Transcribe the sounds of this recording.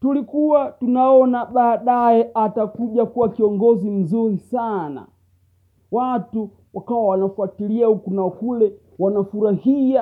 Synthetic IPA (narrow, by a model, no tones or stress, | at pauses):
tulikuwatunaɔnaɓaːɗajɛʔatakuʄakuwakiɔŋɡɔzim̩zuɾisana̰ | watu | wakawawanafuatiliahukunaɔkulɛ | wanafuɾahia